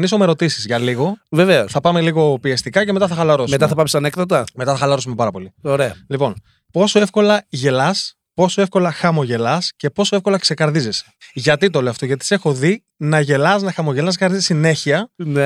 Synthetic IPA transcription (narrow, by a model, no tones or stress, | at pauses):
nisomeɾo̞t̪isizʝɐliɣo̞ve̞ve̞osθɐpɐme̞liɣo̞piest̪ikɐce̞me̞t̪ɐθɐxɐlɐɾosmet̪ɐθɐpɐmst̪ɐnekðɐt̪ɐme̞t̪ɐθɐxɐlɐɾosume̞pɐɾɐpo̞lioɾeɐ̰lipo̞n | po̞so̞e̞fko̞lɐʝe̞lɐs | po̞so̞e̞fko̞lɐxɐmo̞ʝe̞lɐsce̞po̞so̞efko̞lɐkse̞kɐɾðizese̥ʝɐt̪it̪o̞leɐft̪o̞ʝɐt̪i̥se̞xo̞ði | nɐʝe̞lɐsnɐxɐmo̞ʝe̞lɐskɐɾðizsine̞çiɐne